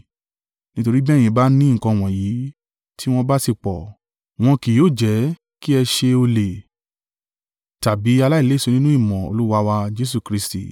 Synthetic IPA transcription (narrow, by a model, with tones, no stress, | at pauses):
nĩ˦to˧ɾi˦bɛ̃˦˨ĩ˧ba˦nĩ˦˨kɔ̃˧w̃ɔ̃˨ji˨˦ | tʰi˦w̃ɔ̃˦ba˦si˦˨k͡pɔ˨ | w̃ɔ̃˧ki˨joː˦˨d͡ʒɛ˨˦ | ki˦ɛ˧ʃe˧o˧le˨ | ta˨bi˨˦a˧la˦i˦˨le˨˦˨so˧nĩ˦nũ˦i˦˨mɔ̃˨o̰˨lu˦wa˧wa˧d͡ʒe˦s̬u˨kɾi˧˦stḭ˨